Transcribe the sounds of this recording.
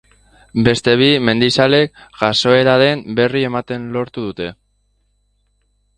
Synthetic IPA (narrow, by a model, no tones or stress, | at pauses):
be̞st̪e̞βime̞nd̪isale̞k̚ɡaso̞e̞ɾaðe̞mbe̞rie̞mat̪e̞nlo̞ɾt̪uðut̪e̞